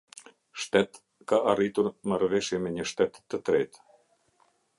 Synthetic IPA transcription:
ʃt̪ɛt̪ | kaarit̪uɾmaɾvɛʃjɛmɛɲəʃt̪ɛt̪ːət̪ɾɛt̪

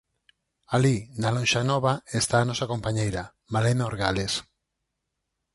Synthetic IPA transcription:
alid̪alõnʃanɔβaest̪aːnɔsakompaɲejɾa | malenoɾɣales

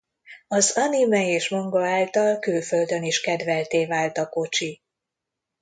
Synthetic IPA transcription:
ɒzɒnimɛeːʃmo̞ŋɡoaːlt̪ɒlkylfø̞ld̪ø̞niʃkɛd̪vɛlt̪eːvaːlt̪ɒko̞t͡ʃi

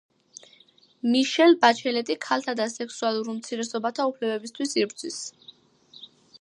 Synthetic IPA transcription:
miʃɛlbat͡ʃʰɛlɛt̪ʼikʰalt̪ʰad̪asɛksualˠuɾmt̪sʰiɾɛsɔbat̪ʰaupʰlɛbɛbist̪ʰwisiɾbɾd̪zʰwis

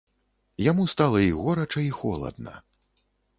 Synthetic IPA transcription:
jamust̪alˠɐiɣɔɾɐt͡ʂɐixɔ̰lˠɐ̰d̪nɐ̰

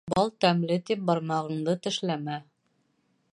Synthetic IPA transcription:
bɑlˠt̪æmlɘt̪ip̚bɑɾmɑʁɤ̆ɴd̪ɤt̪ɘ̆ʃlæmæ

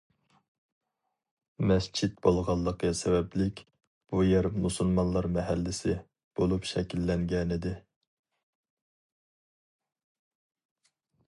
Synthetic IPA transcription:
mɛst͡ʃʰit̪̚bolˠʁɑlˠːəqɛsɛwɛplɪkʲ | b̥ujɛɾmusulˠmɑnlˠɑɾmɛɦælːɪsɪ | b̥olˠupʃɛkʲʰilːɛŋɡʲɛnɪd̪ɪ

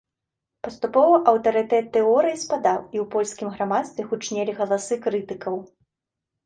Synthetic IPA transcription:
pɐst̪upɔvɐʔɐwt̪ɐɾɨt̪ɛt̪ːɛɔɾɨjispad̪awiwpɔlʲsʲkʲimɣɾamat̪st̪vʲɛɣut͡ʂnʲɛlʲiɣɐlˠasɨkɾɨt̪ɨkɐw

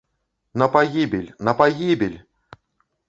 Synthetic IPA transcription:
nɐpaɣʲibʲilʲnɐpaɣʲibʲelʲ

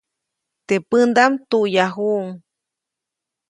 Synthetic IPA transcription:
t̪epɨnd̪amt̪uʔjaɦuʔŋ

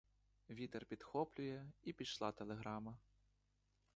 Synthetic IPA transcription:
vʲit̪ɛrpʲit̪xɔplʲujɛipʲiʂlˠat̪ɛlʲˠɛɣɾamɐ

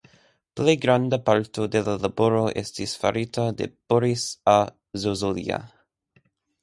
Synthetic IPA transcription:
pleɡɾand̪apalt̪od̪elalaboɾoʔest̪isfa̰ɾit̪ad̪ḛpoɾisa | zozolḭa̰

